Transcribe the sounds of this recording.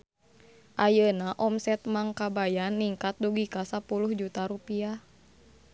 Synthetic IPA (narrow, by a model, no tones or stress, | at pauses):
ʔajənaʔɔmsɛt̪̚maŋkabajanːiŋkat̪̚duɡikasapuluhd͡ʒut̪aɾupia